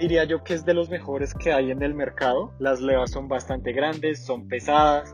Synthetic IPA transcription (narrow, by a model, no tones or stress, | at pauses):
d̪iɾiaʝo̞keezd̪e̞lo̞zme̞xo̞ɾe̞skʰe̞aje̞ne̞lme̞ɾkaðo̞lazle̞βasːo̞mbast̪ant̪e̞ɣɾand̪e̞sːo̞mpe̞saðas